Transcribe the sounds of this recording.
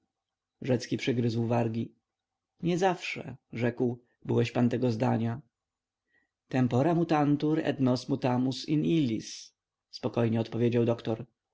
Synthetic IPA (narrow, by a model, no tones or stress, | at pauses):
ʐɛt̪skʲipʂɘɡɾɘzwvaɾɡʲi | ɲɛzafʂɛ̰ʐɛkw | bɘwɛɕpant̪ɛɡɔzd̪a̰ɲa | t̪ɛmpɔɾamut̪ant̪uɾɛ̰d̪nɔsmut̪amusinilʲːis | spɔkɔjɲɛɔt̪pɔvʲjed͡ʑawd̪ɔkt̪ɔɾ